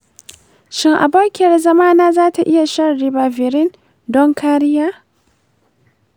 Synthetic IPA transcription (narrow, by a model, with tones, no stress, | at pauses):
ʃɪ˦ŋʔa̰˨boː˦kʲɪ˨jɐ˨rzɐ˦maː˦naː˦zaː˦ta˨ʔɪ˦ja˨ʃɐ˦nɾɪ˨baː˨vɪ˨ɾɪ˦n | dɔ˦ŋkaː˦ɾɪ˦jaː˦